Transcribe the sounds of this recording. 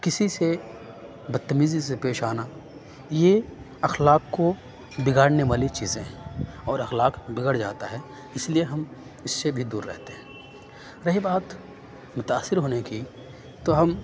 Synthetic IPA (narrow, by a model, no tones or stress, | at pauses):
kɪsise | bɐd̪̚t̪ːəmiːzisepeːʃaːna | je | ɐxlaːkːo | bɪɡaːɽneʋaːlit͡ʃiːzẽɦɛ̃ːɔːɾɐxlaːkbɪɡəɽd͡ʒa̰ːt̪aɦɛː | ɪslieɦɐm | ɪsːebʱid̪uːɾːɛ̰ɦt̪eɦɛ̃ː | ɾɐɦibaːt̪ | mʊt̪aːsːɪɾɦoːneki | t̪oɦɐm